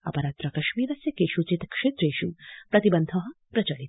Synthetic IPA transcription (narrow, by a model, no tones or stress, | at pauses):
ɐ̰pɐɾat̪ɾɐkɐʃmiːɾɐsjɐkeːʃut͡ʃit̪kʂeːt̪ɾeːʃupɾɐt̪ibɐnd̪ʱɔɦɐpɾɐt͡ʃɐlit̪